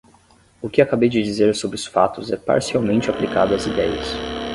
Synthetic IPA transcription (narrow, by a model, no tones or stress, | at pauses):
ʊkɪakabejd͡ʒɪd͡ʒizeɾsobɾɪʊsfat̪ʊzɛpa̰ɾsiawmẽnt͡ʃɪaplikad̪ʊɐzid̪ɛjɐ̰s